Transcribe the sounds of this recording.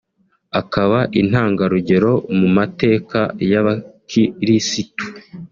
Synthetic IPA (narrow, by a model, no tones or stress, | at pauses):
akaβaʔin̥haːŋɡaɾuɟe̞ɾo̞mumate̞ːkajaβakiɾisitu̥